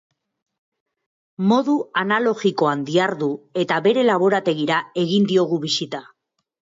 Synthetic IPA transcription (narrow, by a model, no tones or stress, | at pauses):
mo̞ðuanalo̞ɣiko̞and̪iaɾðue̞t̪aβe̞ɾe̞laβ̞o̞ɾat̪e̞ɣiɾae̞ɣind̪io̞ɣ̞uβisit̪a